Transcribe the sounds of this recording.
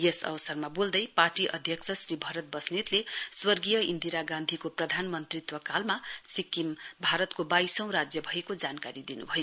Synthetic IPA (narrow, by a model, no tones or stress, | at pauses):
jesʌ̰bʌsʌrmabold̪ʌjparʈiʔʌ̰d̪ʱjʌksʰʌsribʱʌɾʌt̪̚bʌsnit̪leswʌrɡijʌind̪iɾaɡãnd̪ʱikoprʌd̪ʱanmʌnt̪rit̪wʌkalmasikːimbʱaɾʌt̪kobajsʌ̃w̃ɾad͡zjʌbʱʌekod͡zankaɾid̪inṵbʱʌjo